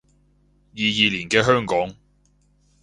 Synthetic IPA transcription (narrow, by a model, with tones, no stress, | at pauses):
jiː˨jiː˨liː˨˩nkɛː˧ɦœː˥ŋkɔː˨˥ŋ